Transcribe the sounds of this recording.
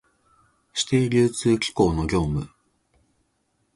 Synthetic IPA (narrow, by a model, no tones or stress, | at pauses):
ɕi̥t̪e̞ːɾʲɨːt͡sɨːkʲi̥ko̞ːno̞ɡʲo̞ːmɯ̟̰